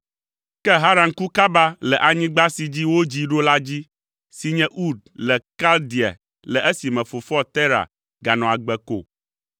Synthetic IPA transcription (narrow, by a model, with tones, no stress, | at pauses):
kɛ˦ɦa˦ɾa˨ŋku˦ka˦ba˦lɛ˨ʔa˨ɲĩ˦ɡ͡ba˦si˨d͡ʑi˦wo˦d͡ʑi˦ɖo˦la˦d͡ʑi˦ | si˨ɲɛ̃˦ʔu˦d̪̚lɛ˨ka˦ld̪i˨a̰˨ | lɛ˨ʔɛ˦si˨mɛ̃˨fo˨fɔ˦t̪ɛ˦ɾa̰˨ | ɡa˨nɔ̃˨a˨ɡ͡bɛ˨ko̰˦˨